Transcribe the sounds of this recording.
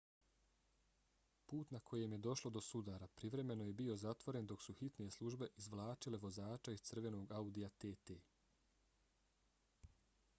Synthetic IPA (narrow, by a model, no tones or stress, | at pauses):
puːt̪nakʰo̞je̞mje̞d̪o̞ʃlo̞d̪o̞sud̪aːɾapɾiʋɾe̞me̞no̞je̞bio̞zat̪ʋo̞ɾe̞nd̪o̞ksuxit̪nije̞slˠuʒbe̞ʔizʋlˠaːt͡ʃile̞ʋo̞zaːt͡ʃaiz̥t̪sr̩ʋe̞no̞ːɡaud̪iat̪eːt̪eː